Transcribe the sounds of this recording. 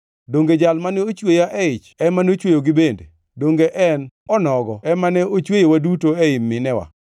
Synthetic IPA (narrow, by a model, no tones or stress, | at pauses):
doŋɡed͡ʒalmanɛot͡ʃwejaʔɛɪt͡ʃɛmanot͡ʃwejoɡɪbendḛ | doŋɡeʔɛnɔnɔɡɔɛmanɛot͡ʃwejowadutoɛɪmːɪnɛwa̰